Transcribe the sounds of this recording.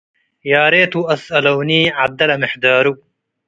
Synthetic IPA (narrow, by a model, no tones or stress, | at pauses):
jaːɾeːt̪uɐsɐlɐwniːʕad̪ːɐlɐmɪħd̪aːɾu